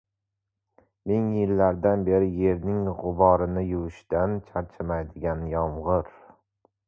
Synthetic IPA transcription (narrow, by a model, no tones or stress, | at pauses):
mɪŋjɪlːaɾd̪anbe̞ɾɪje̞ɾnɪŋʁʊbɒɾɪnɪjʊwɪʃt̪ant͡ʃʰaɾt͡ʃʰɪmajd̪ɪɡʲanjɒmʁɨɾ